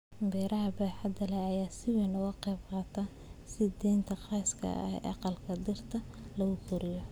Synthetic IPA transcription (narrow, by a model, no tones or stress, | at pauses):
bɛːɾʔɐɦɐbɛːħɐd̪ɐlɛɐjaːsɪwɛnʊɣɐqɛːbqɑːt̪ʰɐ | sɪd̪ɛːnt̪ʰɐqɑːskʰɐ̰hɛ̰ʔɑ̰qɑlkʰɐd̪ɪrt̪ʰɐ | lɐɣʊkʰʊɾɪjɔ